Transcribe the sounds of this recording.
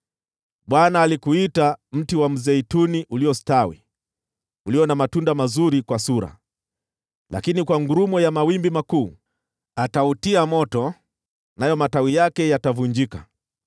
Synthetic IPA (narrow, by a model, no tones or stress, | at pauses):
ɓwanaːlikuitam̩tiwam̩zɛituniʔuliɔstawḭ | uliɔnamatundamazuɾikwasuɾa̰ | lʔa̰kinikwaŋɡuɾumɔjamawimbimakuː | atautiamɔtɔ | najɔmatawijakɛjatavuɲd͡ʒika